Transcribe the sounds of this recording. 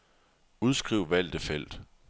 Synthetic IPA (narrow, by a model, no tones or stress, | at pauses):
uð̞ˠsɡ̥ʁiʊ̰ʋæl̰d̥əfel̰d̥